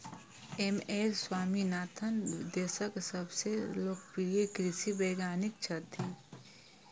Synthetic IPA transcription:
emeːsswaːminaːt̪ʰənd̪eːsəksəbseloːk̚piekɾɪsibeːɡaːnɪk̚t͡ʃʰət̪ʰi

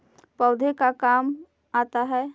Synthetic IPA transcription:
pəʊd̪ʱekakam | at̪aɦɛ

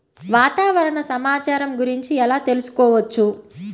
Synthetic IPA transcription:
ʋaːt̪aːʋɐɾɐɳɐsɐmaːt͡ʃaːɾɐmɡuɾiɲt͡ʃiɛlaːt̪e̞lusu̥kɔːʋɐt͡ʃːu

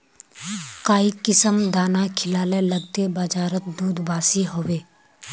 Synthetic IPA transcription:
kaːikɪsəmd̪aːnakʰɪlaːleləɡt̪ebəd͡ʒaːɾət̪̚d̪uːd̪ʱbaːsiɦoweː

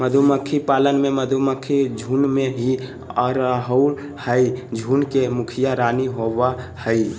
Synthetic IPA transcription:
məd̪ʱuməkʰːipalənmeməd̪ʱuməkʰːid͡ʒʱunmeɦi | ɔɾɦəʊ | həɪd͡ʒʱunkemukʰijaɾaniɦoβahəɪ

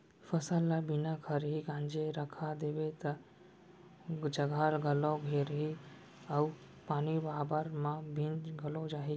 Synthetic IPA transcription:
fəsəlːabinakʰəɾɦiɡãːnd͡ʒeɾəkʰad̪ebet̪ə | d͡ʒəɡʱaɾɡəlɔ̃ɡʱeɾɦi | əu | paːnibaːbəɾmãbʱĩnd͡ʒɡəlod͡ʒaːɦi

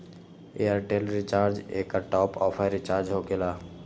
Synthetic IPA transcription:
eaɾʈelɾɪt͡ʃaːɾd͡ʒḛːkːaʈɔːpɔːpʰaɪɾɪt͡ʃaːɾd͡ʒɦokelaː

